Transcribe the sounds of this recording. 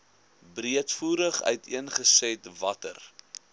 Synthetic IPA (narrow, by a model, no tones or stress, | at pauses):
briətfuːɾəχœ̰ɥtʰiənχəsɛtvɐtə̰r